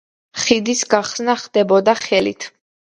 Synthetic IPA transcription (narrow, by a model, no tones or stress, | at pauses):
χid̪isɡaχsnaχd̪̥ɛbɔd̪aχɛlḭt̪ʰ